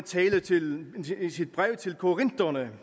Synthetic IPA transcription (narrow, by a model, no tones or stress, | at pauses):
t͡sʰɛːlət͡sʰe̝lsid̥̚b̥ʁɛʊ̰t͡sʰe̝lkʰo̝ʁen̰d̥ɐnə